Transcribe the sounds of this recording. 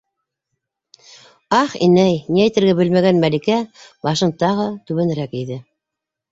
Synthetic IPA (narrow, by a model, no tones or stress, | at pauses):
ɑχḭnæjniæjt̪ɘ̆ɾɡæbɘlmæɡænmælikæbɑʃɤ̆nt̪ːɑʁɤt̪ʉβɘ̆nɾækiðɘ